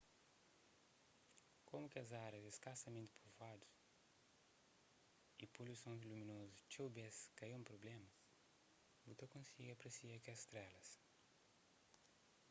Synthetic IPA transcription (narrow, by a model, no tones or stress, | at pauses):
komukɪɐzaɾɐzeskasɐmẽnt̪ɪ̥pʰuvad̪u̥s | ipolusõzluminozut͡ʃewbeskɐiũpɾoblɛmɐ | but̪ɐkõsiɡɐpɾesiɐkiɐst̪ɾɛlɐs